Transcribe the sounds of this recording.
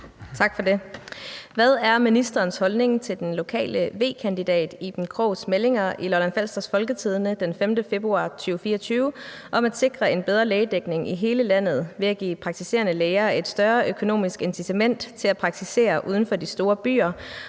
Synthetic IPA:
t͡sʰɑ̈ɡ̥fɒ̽de̝ | ʋæð̞ˠæɐminisd̥ɐːnshɒ̽lne̝ŋt͡sʰe̝ld̥enlo̝kʰɛ̰ːləʋe̝̰ːkʰænd̥id̥ɛ̰ːd̥ib̥nkʰʁɔʊsmele̝ŋɐʔilɒlænfæl̰sd̥ɐsfɒ̽lɡ̥ət͡sʰið̞ˠnəd̥enfemd̥əfe̝b̥ʁuɑ̰̈ːt͡sʰyːʊfiːɐɒt͡sʰyːʊ | ʔɒ̽mæd̥se̝ɡ̥ʁɐe̝nb̥eð̞ˠʁɐleːɪd̥eɡ̥ne̝ŋiɦe̝ːləlæn̰ð̞̩ˠʋe̝æɡ̥ḭːpʰʁɑ̈ɡ̥̚t͡sʰise̝̰ːɐnəleːɪɐe̝d̥sd̥ɶɐʔøkʰo̝no̝̰ːmisɡ̥ensit͡sʰæmen̰d̥t͡sʰe̝læpʰʁɑ̈ɡ̥̚t͡sʰise̝̰ːɐʔuːð̞ˠn̩fɒ̽disd̥o̝ːɐb̥y̰ːɐ

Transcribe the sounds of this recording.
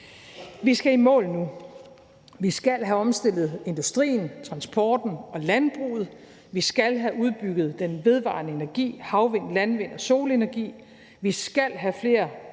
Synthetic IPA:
ʋisɡ̥æimɔ̰̽ːlnu | ʋisɡ̥ælɦæɒ̽msd̥e̝l̰ð̞̩ˠe̝nd̥usd̥ʁḭːn̩t͡sʰʁɑ̈nsb̥ʰɒːd̥n̩ɒ̽lænb̥ʁṵːð̞̩ˠ | ʋisɡ̥ælɦæʔuð̞ˠb̥yɡ̥ð̩ˠd̥enʋe̝ð̞ˠʋɑ̰̈ːnəe̝næɐɡ̥ḭːhɑ̈ʊʋe̝n̰lænʋe̝n̰ɒ̽so̝ːle̝næɐɡ̥ḭː | ʋisɡ̥æl̰ɦæfle̝ːɐ

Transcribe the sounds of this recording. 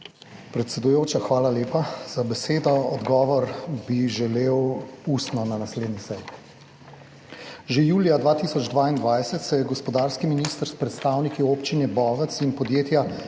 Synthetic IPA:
pɾɛt̪sɛd̪ujoːt͡ʃaxʋaːlaleːpaz̥abɛseːd̪ɔɔd̪ɡɔːʋɔɾbiʒɛleːwust̪nɔnanasleːd̪nisɛj | ʒejuːlijad̪ʋaːt̪iːsɔd͡ʒd̪ʋaːind̪ʋajsɛt̪sɛjɛɡɔspɔd̪aːɾskiminist̪əɾspɾɛt̪st̪aːwnikioːpt͡ʃinɛbɔːʋət̪sinpɔd̪jeːt̪ja

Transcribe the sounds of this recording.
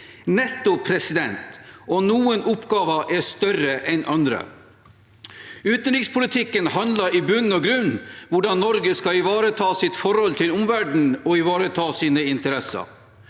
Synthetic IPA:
nɛt̪ːʊpʰɾɛsɪd̪ɛnt̪ɔnuːənʔʊpɡɑːʋəʔɛst̪œrəʔɛnʔɑnd̪ɾə̰ | ʉːt̪nɾɪkspʰʊlɪt̪ʰɪkːənhɑnlɑɾɪbʉnːɔɡɾʉnʋʊɖɑnnːɔɾɡəskɑɪʋɑːɾət̪ʰɑːsɪt̪fɔɾhɔlt̪ʰɪlʊmʋæɖɳ̩ɔɪʋɑːɾət̪ʰɑːsiːnəɪnt̪əɾɛsɑ̰ɾ

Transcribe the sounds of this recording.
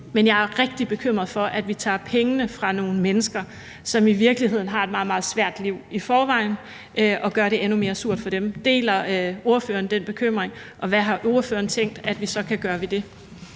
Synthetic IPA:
menjɑ̈ɪæɐʁɛɡ̥̚d̥ib̥e̝kʰøm̰ʁɐð̩ˠfɒ̽ʔæd̥ʋit͡sʰɑ̰̈ːpʰeŋənəfʁɑ̈no̝ːn̩menəsɡ̥ɐ | sɒ̽miʋiɐɡ̥lihe̝ð̞̰ˠn̩ɦɑ̈e̝d̥mɑ̈ːð̩ˠmɑ̈ːð̩ˠsʋæɐ̰d̥liʊ̰ifɒːʋɑ̈ɪn | ʔøʔɒ̽ɡ̥ɶɐɾe̝ʔenume̝ːɐsuɐ̰d̥fɒ̽d̥emd̥e̝̰ːlɐo̝ɐfø̰ːɐnd̥en̰b̥e̝kʰøm̰ʁeŋ | ʔɒ̽ʋæɦɑ̈ʔo̝ɐføːɐnt͡sʰeŋ̰d̥æd̥ʋisɒ̽kʰæɡ̥ɶːɐʋid̥e̝

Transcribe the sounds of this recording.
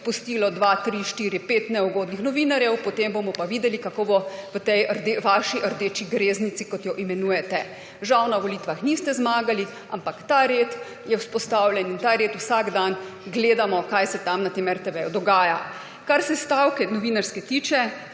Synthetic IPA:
pust̪iːlɔd̪ʋat̪ɾiʃt̪iːɾipeːt̪nɛuɡoːd̪nixnɔʋiːnaɾjɛwpɔt̪embomɔpaʋiːd̪ɛlikakoːbɔʋət̪ɛjəɾd̪eʋaʃiʔəɾd̪eːt͡ʃiɡɾeːznisikɔt̪jɔʔimɛnuːjɛt̪ɛ | ʒawnaʋɔlit̪ʋaxnist̪ɛzmaːɡali | ampakt̪aɾeːt̪ | jɛwspɔst̪aːwlʲjɛnint̪aːɾeːt̪usaɡd̪anɡleːd̪amɔkajsɛt̪amnat̪eːmɛɾt̪ɛʋɛjud̪ɔɡaːja | kaɾsɛst̪awkɛnɔʋiːnaɾskɛt̪iːt͡ʃɛ

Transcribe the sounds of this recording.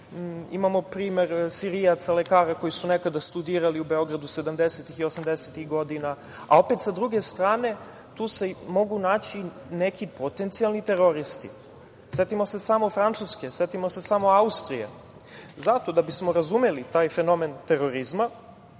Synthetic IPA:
imamo̞pɾiːme̞ɾsiɾijat̪sale̞kaːɾako̞jisunekad̪ast̪ud̪iːɾaliube̞o̞ɡɾad̪use̞d̪amd̪eset̪ixiosamd̪eset̪ixɡo̞d̪ina | a̰o̞pet̪sad̪ɾuɡe̞st̪ɾaːne̞ | t̪uːse̞mo̞ɡunaːt͡ɕi | ne̞kipot̪e̞nt̪sialˠnit̪e̞ɾo̞ɾist̪ḭ | se̞t̪imo̞se̞samofɾant̪suske̞set̪imo̞se̞samo̞aust̪ɾijḛ | zat̪o̞d̪abismo̞ɾazumelit̪aːjfe̞no̞ment̪e̞ɾo̞ɾizma

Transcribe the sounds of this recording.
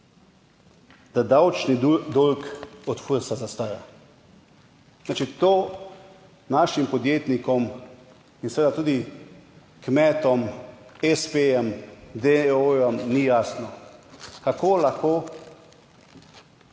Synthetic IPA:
d̪ad̪awt͡ʃnid̪olkɔt̪fuɾsazast̪aːja | nat͡ʃit̪oː | naːʃimpɔd̪jeːt̪nikɔm | insɛʋeːd̪at̪uːd̪i | kmɛːt̪ɔmɛspeɛmd̪eojɔmnijaːsnɔkakoːlaxkoː

